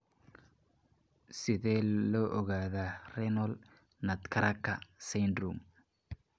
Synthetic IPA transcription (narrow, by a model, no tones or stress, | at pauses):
sɪðɛːlɔːʔɔɣaːðaːrɛnɔl | nɐd̪kʰɐɾɐkʰɐsɛnd̪ɾum